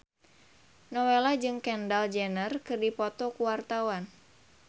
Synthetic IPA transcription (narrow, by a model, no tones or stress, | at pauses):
nɔwelad͡ʒɨŋkɛndald͡ʒɛnərkɨrdipɔt̪ɔkuwart̪awan